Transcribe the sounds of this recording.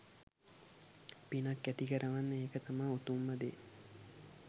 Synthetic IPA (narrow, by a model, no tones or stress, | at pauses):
pinakːæt̪ikəɾʔəʋanːəeːkət̪amaːut̪umːəd̪e